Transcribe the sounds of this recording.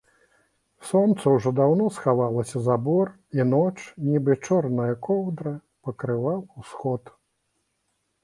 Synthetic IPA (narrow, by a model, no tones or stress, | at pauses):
sɔnt̪sɐwʐɔd̪awnɔsxavalˠɐsʲɐzabɔr | inɔt͡ʂnʲibɨt͡ʂɔrnɐjɐkʰɔwd̪ɾɐ | pɐkɾɨvawusxɔt̪